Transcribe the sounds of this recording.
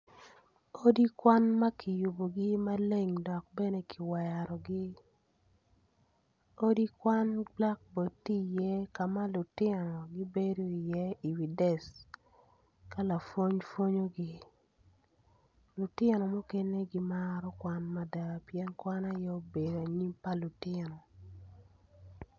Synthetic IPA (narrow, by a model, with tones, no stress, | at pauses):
o˦di˦kwa˦nma˦kʰɪ˨ju˨bo˨ɡɪ˦ma˦le˦ŋdɔ˨k̚bɛ˦ne˨kʰɪ˨wa˨ja˨ɾɔ˨ɡɪ˦ | o˦di˦kwa˦nbla˦k̚bo˨tːi˦jɛ˦ka˨ma˦lʊ˨tɪɛ˦nɔ˨ɡɪ˦be˦do˦i˨jɛ˦i˨wi˨dɛ˨s | ka˦la˨fo˦ɲfo˦ɲo˦ɡi˦ | lu˨tɪ˦nɔ˨mo˦ke˦ne˦ɡi˦maɾɔ˦kwa˦nma˦da˨pjɛ˦nkwa˦na˦jɛ˦o˦be˨da˨ɲi˦mpa˦lʊ˨tɪnɔ˨